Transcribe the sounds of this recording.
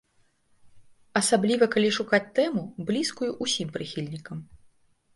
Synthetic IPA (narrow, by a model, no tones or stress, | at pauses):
ɐsablʲivɐkalʲiʂukat͡sʲt̪ɛmublʲiskujuʔusʲimpɾɨxʲilʲnʲikɐm